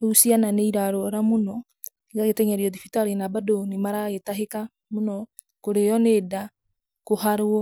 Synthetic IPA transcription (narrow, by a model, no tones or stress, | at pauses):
usiananeiɾaɾoɾamonɔ | ɣaɣetɛɲɛɾeɔðifitaɾenabadonemaɾaɣetaɦeka | monɔ | koɾejɔneːda | kohaɾɔ